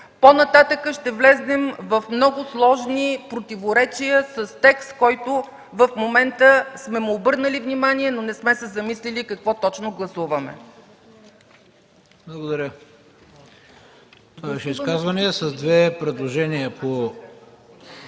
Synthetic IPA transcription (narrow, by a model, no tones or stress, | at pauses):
ponɐt̪at̪əkəʃt̪ɛvlɛznɛmvɐfmnɔɡʊslˠɔʒnipɾot̪ivoɾɛt͡ʃijəsəst̪ɛkst̪kɔjt̪ʊ | vəfmomɛnt̪əsmɛmuːbɤɾnəlivnimaniɛnonɛsmɛsɛzɐmislilikɐkvɔt̪ɔt͡ʃnoɡlˠɐsuvɐmɛ̰ | blˠɐɡod̪ɐɾʲə | t̪oaɛbɛʃɛiskazvɐniəsɐzd̪vɛpɾɛd̪lˠoʒɛniəpo